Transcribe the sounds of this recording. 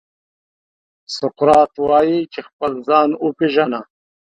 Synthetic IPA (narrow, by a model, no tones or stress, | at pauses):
sʊqɾɑːt̪wɑːjit͡ʃexpəlzɑːnupiʒana